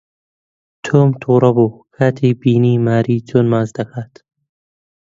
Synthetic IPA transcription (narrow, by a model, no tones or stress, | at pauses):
t̪ʰoːmt̪ʰuːɾɐbuːkʰat̪ʰiːbiːniːmaːɾiːd͡ʒonmaːzd̪ɐkʰat̪